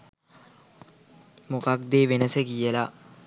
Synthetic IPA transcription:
mokak̚d̪eːʋenəsəkijəla

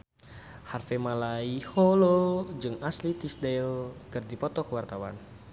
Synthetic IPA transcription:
harfɛmalaiholod͡ʒɨŋaslit̪isdɛlkɨrdipɔt̪ɔkəwart̪awa̰n

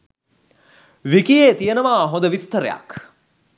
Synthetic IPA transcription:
ʋikijeːt̪ijənəʋaːɦõd̪əʋist̪əɾḛja̰k

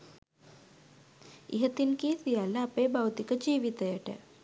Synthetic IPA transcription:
ḭɦɐt̪inkiːsʋijaːlɐːpeːbɐwt̪ikɐd͡ʒiːʋit̪ɐjɐʈə̰

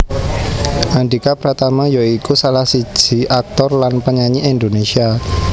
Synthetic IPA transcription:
ʔanɖikapəɾat̪amajoikusalahsi̥d͡ʒʒ̥i̤ʔak̚t̪ɔrlanpəɲaɲiʔind̪onesia

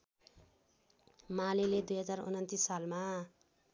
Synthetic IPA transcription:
maleled̪ujɦʌd͡zarṵnʌnt̪isːalma

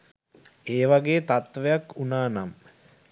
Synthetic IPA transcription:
eːʋaɡeːt̪at̪ʋejakunaːnam

